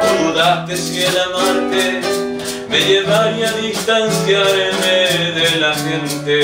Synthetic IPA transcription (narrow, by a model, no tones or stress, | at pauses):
uuðat̪esjelamaɾt̪e | meʝeβaɾjaðist̪anθjaɾemeðelaxẽnt̪e